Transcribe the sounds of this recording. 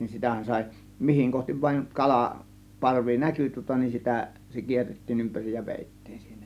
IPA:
sitæˑhæn sɑˑe̝ mihiŋ kohtiʋ ʋɑˑiŋ kɑlɑ pɑrʋi næky tŭŏtɑ nin sitæ se kierːetːiːn ympærij jɑ ʋeˑitːi̥ːn̥ si̥ːn̥æ̥

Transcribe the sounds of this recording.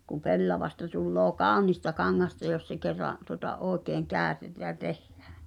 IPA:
kum̆ pelːɑʋɑstɑ tulːoː kɑˑonistɑ kɑŋːɑstɑ jos se kerːɑʔ tuŏtɑ ʔoːĕkeːŋ kæːø̆tetæː jæ tehːæ̥ː

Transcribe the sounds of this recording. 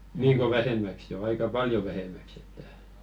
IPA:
niːŋko ʋæhemːæks jo ɑikɑ pɑljo ʋæhemæks etːæ

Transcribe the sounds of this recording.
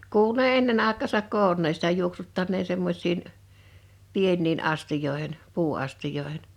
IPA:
kuːlu ne enːen ɑˑekˑɑːsɑk koːnːeːn̞ sitæ juoksutːɑnːeːn̞ semːosʲˑin pienːiːn ɑstijoˑehen puːɑstijˑoehen

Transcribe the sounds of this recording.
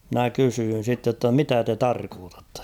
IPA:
mĭnæ kysyːn̞ sitːe tːɑ mitæ te tɑrkoːtɑtːɑ̥

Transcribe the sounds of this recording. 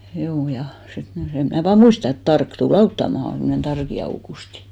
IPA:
hjuː jɑ sit ni sem mnæˑ ʋɑː muistɑ et tɑrk tul ɑutːɑmɑhɑn̞ semːŏnen tɑrki ɑukusti

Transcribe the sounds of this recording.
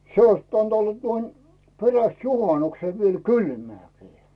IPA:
se ois pitæn̆t olːɑ tuon peræst juhɑnukse ʋiel kylmæːki̥ː

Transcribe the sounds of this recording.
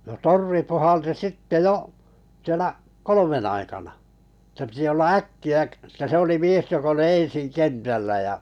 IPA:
no torʋi puhɑlti sitːe joʔ sielæ kolomen ɑikɑnɑ etːæ̆ pĭtĭ olːɑ ækːiæ k etːæ se oli mies jok oli ẽsiŋ kentælːæ jɑ

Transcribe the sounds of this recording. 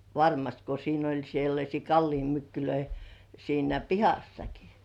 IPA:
ʋɑrmɑst ko siːn olʲ selːɑsʲiː kɑlːimːykːyløi siːnæ pihɑsːɑki

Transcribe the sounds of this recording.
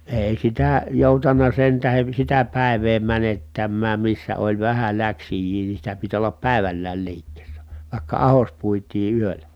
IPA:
eˑi sitæ joˑutɑnːɑ sen tæhen̞ sitæ pæˑi̯ʋeː mænetːæmːæːm misːæ olʲ ʋæhæ læksijˑiː niː sitæ pit olːɑp pæˑi̯ʋælːæːl liːkːeːsːæ ʋɑˑikːɑ ɑhos puitˑiː yølæ

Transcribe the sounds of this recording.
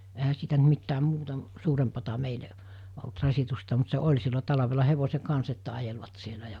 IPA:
ehæ siːtæ nt mitːæːm̆ muːtɑ m suːrempɑtɑ meile olt rɑsitustɑ mut se olʲ silːo tɑlɑʋelɑ heʋose kɑns etːæ ɑjelʋɑt sielæ jɑ

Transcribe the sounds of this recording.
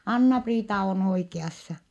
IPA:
ɑnːɑpriːtɑ on oikeɑsːɑ

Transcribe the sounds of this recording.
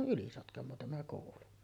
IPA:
o ʔylisotkɑmoː tæmæ koˑulu

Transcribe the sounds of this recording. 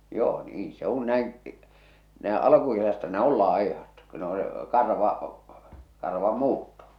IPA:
joː niːn se un næin næˑe ɑlɑ̆kukesæstæ ne ol lɑˑi̞hɑt ko ne o se kɑrʋɑ kɑrʋɑmːuːtːo

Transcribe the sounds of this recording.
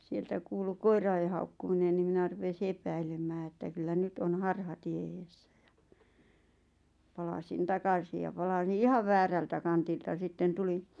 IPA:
sieltæ kuːlu koirɑe hɑukːuminen ni minæ rupesi epæilemˑæː etːæ kylːæ nyt on hɑrhɑtie eːsːæ̥ j̊ɑ̥ pɑlɑsin tɑkɑsi jɑ pɑlɑs̆ĭn̆ ihɑʋ ʋæːræltæ kɑntiltɑ sitːen tulin̞

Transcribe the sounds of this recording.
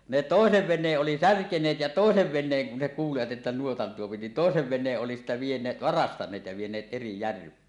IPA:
ne toˑeseʋ ʋenˑeːʔ ʔoli særkenˑeːt jɑ toˑeseʋ ʋenˑeːŋ kun ne kuːliʋɑt ĕtːæ nuotɑn tuopi ni toˑeseʋ ʋenˑeːʔ ʔoli sitːe ʋienˑeː ʋɑrɑstɑnˑeːt jɑ ʋienˑeːt eri jærʋˑeː

